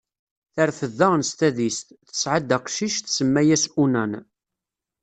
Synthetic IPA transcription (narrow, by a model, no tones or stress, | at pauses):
θəɾθəðːaʁnst̪æðist̪θə̥sʕad̪æqʃiʃθsəmːæjæsunæn